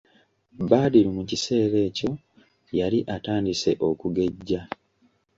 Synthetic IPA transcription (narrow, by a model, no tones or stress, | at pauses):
baːdiɾumucise̞ːɾe̞ːco̞ | jaliʔataːndise̞ʔo̞kuɡe̞ɟːa